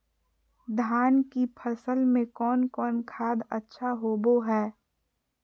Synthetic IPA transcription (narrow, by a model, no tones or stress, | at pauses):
d̪ʱaːnkipʰəsəlmẽkɔːnkɔːnkʰaːd̪ətːʃʰaɦoːboɦɛː